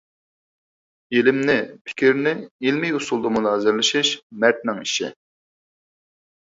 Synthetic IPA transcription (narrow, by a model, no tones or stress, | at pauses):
ilɪmnɪpʰɪ̥kʲiɾnɪilmɪjusulˠd̪ɑmunɑːzɪɾlɪʃɪʃmɛɾt̪̚nɪŋiʃɪ̰